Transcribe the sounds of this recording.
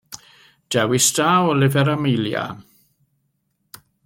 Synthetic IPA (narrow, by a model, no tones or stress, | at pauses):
d̥ɛwɪsdaːwɔlɪvɛɾamɪjlja̰